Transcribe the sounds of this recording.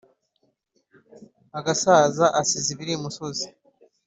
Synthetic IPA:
aɡasaːzaʔasiziβiɾimusozi̥

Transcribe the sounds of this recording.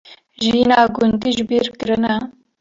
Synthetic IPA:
ʒinaːɡʊnd̪iʒbiːɾkɨɾɨna

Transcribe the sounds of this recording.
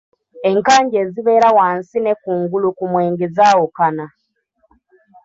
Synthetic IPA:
e̞ŋkaːɲɟeːziβe̞ːɾawaːnsine̞kuːŋɡulukumweːŋɡezaːwokana

